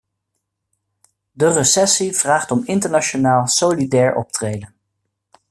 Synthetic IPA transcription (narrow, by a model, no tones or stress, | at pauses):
dərəsɛsiv̥raːχtɔmɪntəɹnat͡ʃonaːlˠsowlidɛːɹɔ̰p̚trejdən